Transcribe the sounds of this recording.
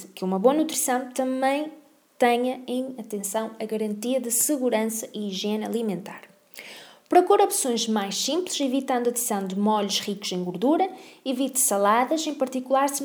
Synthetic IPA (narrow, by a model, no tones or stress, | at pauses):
kumɐβoɐnut̪ɾisɐ̃w̃t̪ɐ̃mɐ̃j̃ | t̪ɛɲɐẽj̃ɐt̪ẽsɐ̃w̃ɐɣɐɾɐ̃nt̪iɐðɨsɨɣuɾɐ̃sɐʔiːʒɛnɐ̰lˠimẽnt̪aɾ | pɾɔkuɾɔpsõj̃ʒmajʃsĩmplˠɨʃivit̪ɐ̃nd̪uɐt̪ɾisɐ̃w̃d̪ɨmɔʎuʃʁikuz̥ẽj̃ɡuɾðuɾɐivit̪sɐlˠaðɐʃẽj̃pɐɾt̪ikulˠaɾs